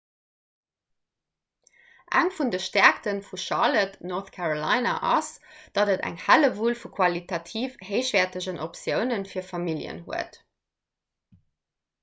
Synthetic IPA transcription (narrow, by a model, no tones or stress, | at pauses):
ʔæŋfundəʃtæɐktənfuʃɑlətnoθkʰaʁolɑɪnɑ̰ʔɑ̰sd̥ɑdətæ̰ŋhæləvuːlfukʰwɑlitʰɑtʰiːfheɪʃv̥ɛːɐtəʑənʔopsjəʊnənfiːɐfɑmiljə̰nɦṵət